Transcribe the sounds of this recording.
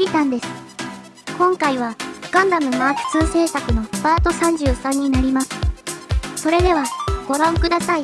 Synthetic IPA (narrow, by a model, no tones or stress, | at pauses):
it̪ãnd̪e̞sɨ̥ | kõ̞ŋkaiβ̞aɡ̥ãnd̪amɯ̟maːtɯ̥t͡sɨːse̞ːsakɯ̟no̞baːt̪o̞sãɲ̟d͡ʑɨːsãɲ̟ːinaɾʲimasɨ̥ | so̞ɾe̞d̪e̞β̞aɡ̥o̞ɾãɰ̃kɯ̟d̪asai